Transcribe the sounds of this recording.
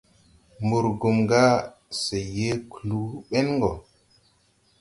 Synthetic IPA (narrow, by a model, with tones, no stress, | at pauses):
mbu˨ɾɡu˨mɡa˦ | se˨je˦klu˦ɓe˦nŋɡɔ˨